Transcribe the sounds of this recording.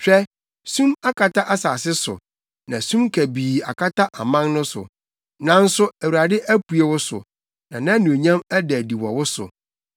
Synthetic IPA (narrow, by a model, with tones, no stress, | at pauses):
t͡ɕᶣɛ˦ | sũ˦ma˦kʰa˨tʰa˦ʔa˦sa˨sɪ˦sʊ̰˨ | nã˨sũ˦mkʰæ˨biː˨a̰˨kʰa˦tʰa˦ʔa˨mã˦ŋnʊ̃˦sʊ̰˨ | nã˦n̩˦sʊ˦æ˨wu˨ɾa˨dɪ˦ʔæ˦pʰu˨e˨wʊ˦sʊ̰˨ | nã˨nã˦nũ˨ɲã˦mæ˦dɛ˨di˨wɔ̰˨wʊ˦sʊ̰˨